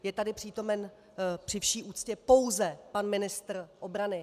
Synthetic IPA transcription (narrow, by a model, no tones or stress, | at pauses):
jɛt̪adɪpr̝̥iːt̪o̞mɛn | pr̥ɪfʃiːʔuːt̪t͡scɛpo̞wzɛpanmɪnɪst̪r̩ʔo̞bɾanɪ